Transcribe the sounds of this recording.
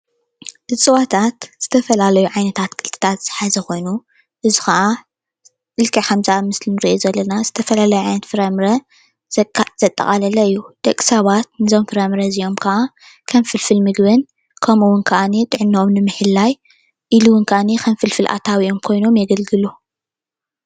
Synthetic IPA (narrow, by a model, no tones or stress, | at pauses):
ʔɨt͡sʼɨwat̪ʰat̪z̥ɨt̪ʰɐfɐlalɐjuʕajnɐt̪ʰat̪kʰɨlt̪ʰɨ̥t̪ʰat̪z̥ɨħazɐko̞jnu | ʔɨzixɐʔa | ʔɨlkʰʼɐkʰɐmzaamɨslinɨɾiʔozɐlːɐnazɨt̪ʰɐfɐlalɐjuʕajnɐt̪fɨɾɐmɾɐ | z̥ɐt̪ʼːɐ̰χʼalɐlɐɨjːud̪̥ɐkʼːi̥sɐβat̪̚nɨzo̞mfɨɾɐmɾɐzio̞mkʰɐʔa | kʰɐnfɨlfɨlmɨɡβɨn | kʰɐmuwʊnkʰɐʔanit̪ʼɨʕɨnːomnɨmɨħɨlːaj | ʔiluwʊnkʰʔanixʰɐnfɨlfɨlʔa̰t̪ʰawiomkʰo̞jno̞mjɛɡɐlɡɨlu